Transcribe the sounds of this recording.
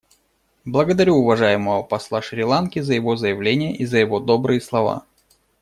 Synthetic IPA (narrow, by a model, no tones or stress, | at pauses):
blˠəɡəd̪ɐɾʲuʊvɐʐajɪməvəpɐslˠaʂɾʲɪlˠankʲɪzəjɪvo̞zəjɪvlʲenʲɪjəʔizəjɪvo̞d̪o̞bɾɨjəslˠɐva̰